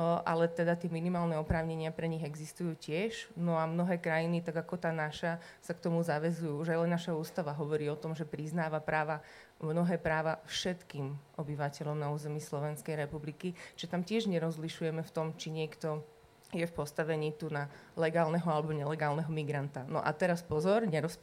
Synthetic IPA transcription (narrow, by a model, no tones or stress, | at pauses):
ʔa̰lɛt̪ɛd̪at̪ɪɛminimaːlnɛɔpɾaːʊɲɛɲɪapɾɛɲiɣɛɡzist̪ujuːcɪɛʒnɔamnɔɦɛːkɾajinit̪aɡakɔt̪aːnaʃa | sakt̪ɔmuzaʋɛzujuːuʒajlɛnːaʃauːst̪aʋaɦɔʋɔɾiːɔt̪ɔmʒɛpɾiznaːʋapɾaːʋa | mnɔɦɛːpɾaːʋafʃɛt̪kiːmʔɔbiʋacɛʎɔmnauːzɛmiːslɔʋɛnskɛjɾɛpublikit͡ʃʒʒɛt̪amcɪɛʒɲɛɾɔzliʃujɛmɛft̪ɔmt͡ʃiɲɪɛkt̪ɔ | jɛfpɔst̪aʋɛɲiːt̪unalɛɡaːlnɛɦɔalɛbɔɲɛlɛɡaːlnɛɦɔmiɡɾant̪anɔ̰ʔa̰t̪ɛɾaspɔzɔɾɲɛɾɔsp